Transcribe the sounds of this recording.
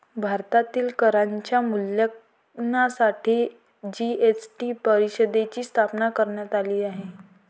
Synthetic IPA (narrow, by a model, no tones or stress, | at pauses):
bʱaɾt̪at̪iːlkəɾaɲt͡ɕjamuljək | nasaʈʰiː | d͡ʑiesʈipəɾiɕəd̪et͡ɕiːst̪ʰapnakəɾɳjat̪aliːaɦe